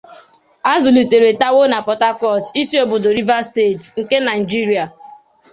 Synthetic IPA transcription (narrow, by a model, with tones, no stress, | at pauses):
a˦zu˨li˨te˨ɾe˨ta˦wo˦na˨pɔ˨ta˦kɔ˦˨ti˦si˦o˦bʊ˨do˨ɾi˦va˦ste˦˨tŋ̩˨ke˦na˨ɪ˨d͡ʒi˦ɾi˨˦a˨